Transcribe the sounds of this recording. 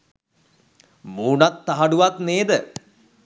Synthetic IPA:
muːnat̪ːaɦaɖuʋat̪neːd̪ə

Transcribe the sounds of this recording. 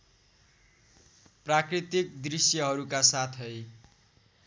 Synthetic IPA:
prakrit̪ik̚d̪risjʌɦʌɾukasat̪ʰɦʌj

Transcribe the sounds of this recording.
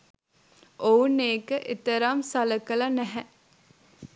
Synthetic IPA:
ʔouneːkəʔet̪əɾamsaləkəlɐnæɦɛ

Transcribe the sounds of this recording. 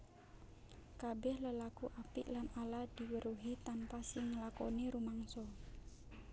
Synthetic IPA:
kabɛhləlakuʔapɪʔlanaladiwəɾuɦit̪anpasɪŋːəlakɔniɾumaŋsɔ

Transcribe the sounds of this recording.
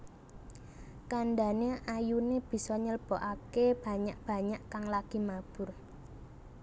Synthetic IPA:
kaɳɖaneʔajuneb̥i̤sɔɲəlb̥ɔʔakeb̥a̤ɲaʔb̥ä̤ɲaʔkaŋlaɡ̥i̤mab̥ʊ̤r

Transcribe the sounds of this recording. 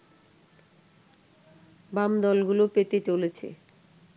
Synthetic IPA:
bamd̪ɔlɡulopet̪et͡ɕolet͡ɕʰḛ

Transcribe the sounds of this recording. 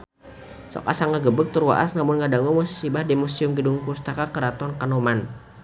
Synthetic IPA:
sɔ̰kasaŋəɡəbək̚t̪urwa̰ʔa̰snamʊnŋadaŋumusi̥sibahdimusiʊmɡədʊŋpust̪akakəɾat̪ɔnkanoman

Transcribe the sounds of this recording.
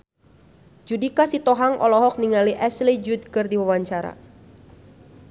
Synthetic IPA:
d͡ʒudikasit̪ɔɦaŋʔɔ̰lɔɦɔk̚niŋaliʔɛslid͡ʒud̪̚kɨrdiwawaɲt͡ʃaɾa̰

